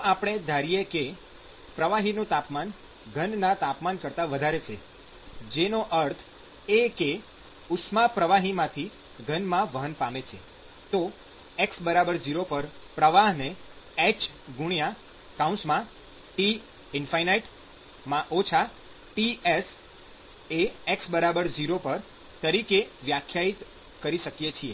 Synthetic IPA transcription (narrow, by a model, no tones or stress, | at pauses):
apɽ̃ed̪ʱaɾijeke | pɾəʋaɦinũt̪apman | ɡʱənnat̪apmankəɾt̪aʋəd̪ʱaɾet͡ʃʰe | d͡ʒenoʔəɾt̪ʰ | eke | ʊsmapɾəʋaɦimãt̪ʰi | ɡʱənmãʋəɦənpamet͡ʃʰḛ | t̪o | eksbəɾabəɾd͡ʒiɾopəɾpɾəʋaɦne | ɛt͡ʃɡuɳja | kaũnsmã | ʈi | ɪnfajnaiʈ | mãʔot͡ʃʰa | ʈies | eeksbəɾabəɾd͡ʒiɾopəɾ | t̪əɾikeʋjakʰːjait̪ | kəɾiʃəkjet͡ʃʰie